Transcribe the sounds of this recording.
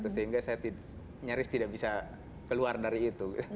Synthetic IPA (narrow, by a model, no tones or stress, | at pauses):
t̪usəɦiŋɡasajat̪i | ɲaɾɪst̪idaʔbisa | kəluardaɾiːt̪uɡit̪u